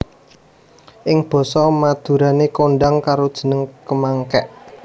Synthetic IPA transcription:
ʔɪŋb̥ɔ̤sɔmad̪̥ṳɾanekoɳɖaŋkaɾod̥ʒ̥ə̤nəŋkəmaŋkɛʔ

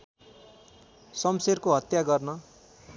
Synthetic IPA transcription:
sʌmserkoɦʌt̪jaɡʌrnʌ

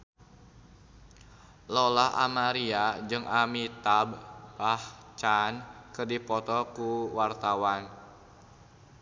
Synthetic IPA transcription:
lɔlaha̰maɾiad͡ʒɨŋʔamit̪abaht͡ʃankɨrdipɔt̪ɔkuwart̪awan

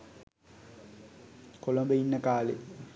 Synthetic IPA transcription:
kolombəinːəkaːlḛ

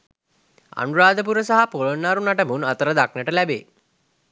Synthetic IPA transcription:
a̰nuɾaːd̪əp̬uɾəsaɦapolonːaɾunaʈəmunat̪əɾəd̪aknəʈəlæbḛː

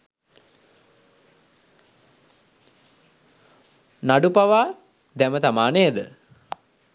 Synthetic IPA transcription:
naɖupaʋaː | d̪ɛmət̪amaːneed̪ə

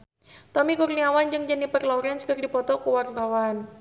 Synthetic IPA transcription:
t̪ɔmikurniawand͡ʒɨŋd͡ʒənipərlɔɾanskərdipɔt̪ɔkuwart̪awan

